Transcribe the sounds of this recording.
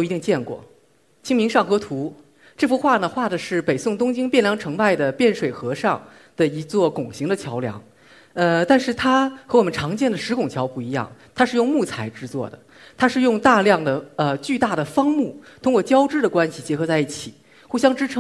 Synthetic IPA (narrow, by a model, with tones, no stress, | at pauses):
jo˩i˧t̪i˥˧ŋt͡ɕjɛ˥˧nkwɔ̰˥˩ | t͡ɕʰi˥ŋmi˧˥ŋʂɑ˥˩ŋxɤ˧˥t̪ʰu˧˥ | ʈ͡ʂɤ˥˩fu˥xwa˥˩nə˩xwa˥˩d̪ə˩ʂɻ̩˥˩pe˨˩ɪsʊ˥˩ŋt̪ʊ˥ŋt͡ɕi˥ŋpjɛ˥˩nljɑ˥ŋʈ͡ʂʰɤ˧˥ŋpa˥˩ɪd̪ə˩pjɛ˥˩nʂwe˨˩ɪxɤ˧˥ʂɑ˥˧ŋ | d̪̥ə˩i˧˥t͡swɔ˥˩kʊ˨˩ŋɕi˧˥ŋd̪ə˧t͡ɕʰjɑ˧˥ʊljɑ̰˧˥ŋ | ə˧t̪a˥˧nʂɻ̩˥˩t̪ʰa˥xɤ˧˥wɔ˨˩mə˦nʈ͡ʂʰɑ˧˥ŋt͡ɕjɛ˥˩nd̪ə˩ʂɻ̩˧˥kʊ˨˩ŋt͡ɕʰjɑ˧˥ʊpu˥˩i˧˥jɑ̰˥˩ŋt̪ʰa˥ʂɻ̩˥˧jʊ˥˧ŋmu˥˩t͡sʰa˧˥ɪʈ͡ʂɻ̩˥˧t͡swɔ̰˥˩d̪ə̰˩ | t̪ʰa˥ʂɻ̩˥˧jʊ˥˧ŋt̪a˥˧ljɑ˥˩ŋd̪ə˩ə˧t͡ɕy˥˧t̪a˥˩d̪ə˩fɑ˥ŋmu˥˩t̪ʰʊ˥ŋkwɔ˥˩t͡ɕjɑ˥ʊʈ͡ʂɻ̩˥d̪ə˨kwa˥nɕi˨˩t͡ɕjɛ˧˥xɤ˧˥t͡sa˥˧ɪi˥˩t͡ɕʰi˨˩˦ | xu˥˩ɕ̬jɑ˥ŋʈ͡ʂɻ̩˥ʈ͡ʂʰɤ˧˥ŋ